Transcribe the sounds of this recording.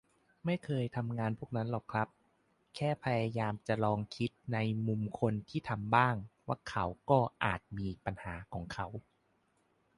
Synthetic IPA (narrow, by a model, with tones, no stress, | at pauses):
ma˥˩jkʰɤː˧jt̪ʰa˧mŋaː˧npʰuː˥˩ək̚na˦˥nlɔː˨˩kʰɾa˦˥p̚ | kʰɛː˥˩pʰa˧jaː˧jaː˧mt͡ɕa˨˩lɔː˧ŋkʰi˦˥t̪̚na˧jmu˧mkʰo˧nt̪ʰiː˥˩t̪ʰa˧mbaː˥˩ŋwaː˥˩kʰa˩˦˥wkɔː˥˩ʔaː˨˩t̪̚miː˧pa˧nhaː˩˦kʰɔː˩˦ŋkʰa˦˥w